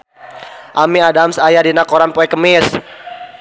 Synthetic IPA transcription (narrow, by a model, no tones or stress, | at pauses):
ʔamiadamsajadinakɔɾanpoɛkəmɪs